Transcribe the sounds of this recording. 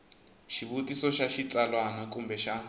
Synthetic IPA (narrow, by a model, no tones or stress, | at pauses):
ʃiβutisɔʃaʃit͡salwanakʼumbɛʃa